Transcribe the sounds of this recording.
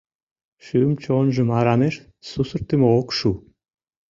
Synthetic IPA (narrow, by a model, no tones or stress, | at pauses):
ʃyəmt͡ɕonʒə̆mɑɾɑneʃ | susə̆ɾt̪əmokʃu